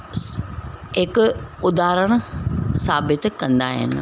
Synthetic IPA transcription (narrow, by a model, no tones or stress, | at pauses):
ɦɪkʊd̪aːɾəɽ̃saːbɪt̪kɐ̃nd̪aːɦɪ̰nɪ̆